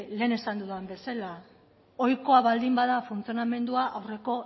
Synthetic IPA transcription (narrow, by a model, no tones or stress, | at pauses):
le̞ːne̞sand̪uðuambe̞sala | o̞jko̞aβald̪imbaðafunt͡sio̞name̞nd̪uaʔawre̞ko̞